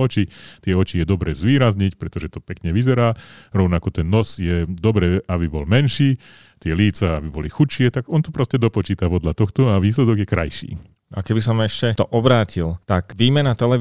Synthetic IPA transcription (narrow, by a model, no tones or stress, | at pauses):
ɔt͡ʃit̪ɪɛɔt͡ʃijɛd̪ɔbɾɛːzʋiːɾazɲicpɾɛt̪ɔʒɛt̪ɔpɛkɲɛʋizɛɾaːɾɔʊnakɔt̪ɛnːɔzjɛd̪ɔbɾɛːabibɔlmɛnʃiː | t̪ɪɛliːt͡saabibɔlixut͡ʃɪɛt̪aɡɔnt̪ɔpɾɔscɛd̪ɔpɔt͡ʃiːt̪apɔd̪lat̪ɔxt̪ɔaʋiːslɛd̪ɔɡjɛkɾa̰jʃḭː | nakɛbis̬ɔmɛʃcɛt̪ɔʔɔbɾaːcilt̪akʋiːmɛnat̪ɛlɛ